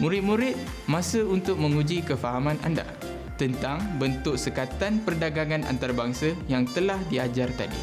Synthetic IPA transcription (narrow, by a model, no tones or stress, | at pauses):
muɾɪt̪̚mũɾɪt̪̚ | mãsəunt̪ʊk̚mə̃ŋud͡ʒikəfaɦamãna̰nda̰ | t̪ənt̪aŋbənt̪ʊk̚səkat̪anpərdaɡaŋana̰nt̪aɾabaŋsəjaŋt̪əlahdiad͡ʒart̪a̰dḭ